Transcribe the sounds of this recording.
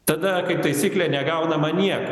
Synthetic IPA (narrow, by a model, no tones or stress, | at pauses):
t̪ɐd̪ɐkɐɪp̚t̪ɐɪsʲiːklʲɛːnʲɛɡɐʊnɐmɐnʲiɛko